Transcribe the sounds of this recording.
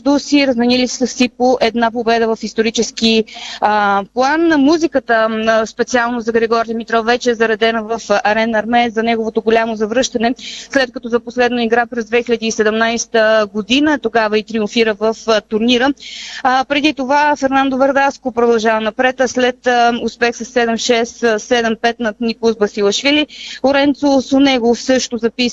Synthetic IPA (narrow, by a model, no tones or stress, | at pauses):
ʒd̪usiɾəzmɛnilisəsipoʔɛd̪napobɛd̪əvɐfist̪oɾit͡ʃɛsk̟iəplˠanːmuzikət̪əspɛt̪sialˠnozɐɡɾɛɡɔɾʲiɐmit̪ɾɔfːɛt͡ʃɛːzɐɾɐd̪ɛnəvəfɐɾɛnɐɾmɛzɐnɛɡovot̪oɡolʲamozɐvɾɤʃt̪ɐnɛslɛt̪̚kɐt̪ɔzɐposlɛd̪nəiɡɾapɾɛzd̪vɛxilʲəd̪iːsɛd̪ɛmnajst̪əɡod̪inət̪oɡavəit̪ɾiuɱfiɾəvəft̪ʊɾniɾə | pɾɛd̪it̪ovafɛɾnand̪ovɐɾd̪askopɾod̪ɐlˠʒavɐnɐpɾɛt̪slɛt̪ʊspɛxsɐsːɛd̪ɛmʃɛssɛd̪ɛmpɛt̪nɐt̪nikˠzbɐsilˠɐʃvilioɾɛnt̪sosonɛɡofsɤʃt̪ozɐpis